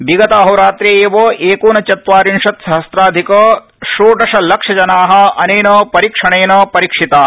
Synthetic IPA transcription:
biɡɐt̪aːɦɐwɾaːt̪ɾeːeːʋoːʔeːkuːnɐt͡ʃɐt̪ʋaːɾinʂɐt̪sɐɦɐst̪ɾaːd̪ʱikɐ | ʃuːʈɐʂɐlɐkʂɐd͡ʒɐnaːɦɐ̆ɐnejnɐːpɐɾiːkʂɐɳeːnɐːpɐɾiːkʂit̪aː

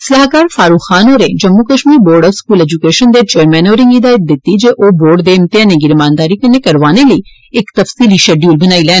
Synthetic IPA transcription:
səlaːkaːɾfʰaːɾuːkʰːaːnoːɾeːd͡ʒəmːuːkəʃmiːɾboːɾɖɔːʋskuːlɛːd͡ʒukeːʃənd̪eːt͡ʃeːɾmɛ̃ːnoːɾɪ̃ŋɡɪd̪aːjət̪̚d̪ɪt̪ːid͡ʒeːʔoːboːɾɖd̪eːmt̪ɪãːneːɡɪɾmãːnd̪aːɾiːkənːeːkəɾʋaːneləiː | ɪkt̪əfsiːliʃɛːɖjuːlbənaːiːlɛː

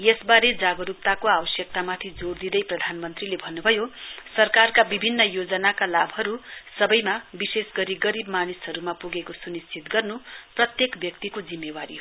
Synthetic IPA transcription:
jesbaɾed͡zaɡʌɾup̚t̪akoabʌsjʌk̚t̪amat̪ʰid͡zord̪id̪ʌjprʌd̪ʱanmʌnt̪rilebʱʌnːubʱʌjosʌrkarkabibʱinːʌjod͡zʌnakalabʱɦʌɾusʌbʌjmabisesɡʌɾiɡʌɾibmanisɦʌɾumapuɡekosunist͡sit̪ɡʌrnuprʌt̪jekbjʌkt̪ikod͡zimːewaɾiɦo

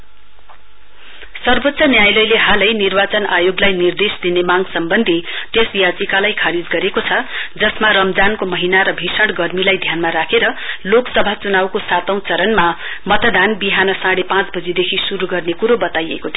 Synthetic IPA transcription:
sʌrbot̪ːsʰʌnjajlʌjleɦalʌjnirbat͡sʌnajoɡlajnird̪esd̪inemaŋsʌmbʌnd̪ʱit̪esjat͡sikalajkʰaɾid͡zɡʌɾekot͡sʰʌd͡zʌsmaɾʌmd͡zankomʌɦinaɾʌbʱisʌɽɡʌrmilajd̪ʱjanmaɾakʰeɾʌloksʌbʱat͡sunawkosat̪ʌ̃w̃t͡sʌɾʌnma | mʌt̪d̪ʱanbiɦanʌsaɽepãt͡sbʌd͡zid̪ekʰisuɾuɡʌrnekuɾobʌt̪ajḛkot̪ʰio

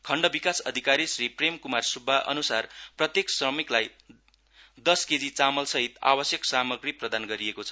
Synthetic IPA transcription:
kʰʌɳɖʌbikasʌd̪ʱikaɾisripremkumarsubʱːaʔʌ̰nusarprʌt̪jeksrʌmiklaj | d̪ʌsked͡zit͡samʌlsʌɦit̪a̰bʌsjʌksamʌɡriprʌd̪anɡʌɾiekot͡sʰʌ̥

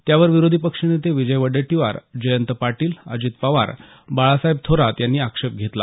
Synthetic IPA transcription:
t̪jaʋəɾʋiɾod̪ʱipəkʂinet̪eʋid͡ʑəjʋəɽeʈiʋa̰ɾd͡ʑəjənt̪əpaʈiːla̰d͡ʑiːt̪̚paʋa̰ɾ | baɭasaib̚t̪ʰoɾat̪janːiːakʂep̚ɡʱet̪la̰

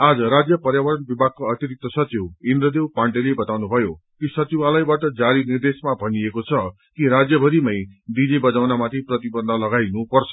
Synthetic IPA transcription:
ad͡zʌɾad͡zjʌpʌrjabʌɾʌnbibʱaɡ̚kːaʌt̪iɾik̚t̪ʌsʌt͡siwind̪rʌd̪ewpaɳʈelebʌt̪awnubʱʌjo | kisʌt͡sibalʌjbaʈʌd͡zaɾinird̪esmabʱʌniekot͡sʰʌ | kiɾad͡zjʌbʱʌɾimʌjd̪id͡zibʌd͡zawnamat̪ʰiprʌt̪ibʌnd̪ʱʌlʌɡajnupʌrt͡sʰʌ̥

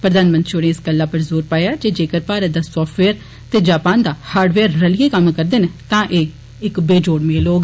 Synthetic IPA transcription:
pɾəd̪aːnmə̃nt̪ʃʰoːɽẽɪsɡəlːaːpəɾzoːɾpaːjaːd͡ʒeːd͡ʒeːkəɾpaːɾəd̪aːsɔːʈʰʋeːəɾ | t̪eːd͡ʒaːpaːnd̪aːhaːɾɖʋeːəɾːəlijeːkəmkəɾd̪ent̪ãːʔeː | ɪkbeːd͡ʒoːɽmeːloːɡ

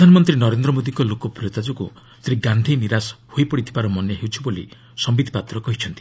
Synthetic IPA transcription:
pɾd̪ʱanɔmɔnt̪ɾinɔɾend̪ɾɔmod̪iŋkɔlokɔpɾiot̪ad͡ʒukṵ | t̪ɾiɡand̪ʱiniɾashojpɔɽit̪ʰibaɾɔmɔnjɔɦewt͡ʃʰibolḭ | sɔmbid̪ʱipat̪ɾɔkɔɦit͡ʃʰɔnt̪i

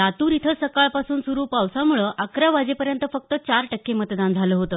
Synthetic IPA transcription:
at̪uːɾit̪ʰəsəkaɭpasuːnsuɾuːpawsamuɭəʔakɾaʋad͡ʑepəɾjənt̪əfək̚t̪ət͡ɕaɾʈəkːemət̪d̪and͡zʱaləːɦot̪əː

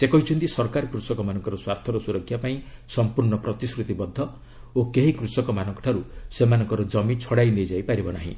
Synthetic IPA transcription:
sekɔɦit͡ʃʰunt̪isɔɾkaɾkɾusɔkɔmanɔŋkɔɾɔswaɾt̪ʰɔɾɔsuɾɔkʰjapaĩsɔmpuɾɳɔpɾɔt̪iskɾut̪ibɔd̪ʱːɔ | okeɦikɾusɔkɔmanɔkɔ̥ʈʰaɾusemanɔŋkɔɾɔd͡ʒɔmit͡ʃʰɔɽajnejd͡ʒajpaɾibɔna̰ɦḭ̃

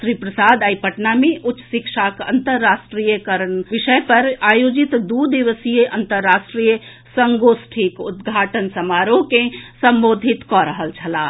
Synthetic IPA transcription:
sɾipɾəsad̪aipəʈnameʔutʃsikʃakə̰nt̪əɾːasʈɾijəkəɾənʋiʃəjpəɾajod͡ʒit̪d̪ud̪iʋəsijəʔənt̪əɾːasʈɾijə | səŋɡosʈʰikud̪ɡʱaʈənsəmaɾokesəmbod̪ʱit̪kɔɾəɦəlt͡ʃʰəla

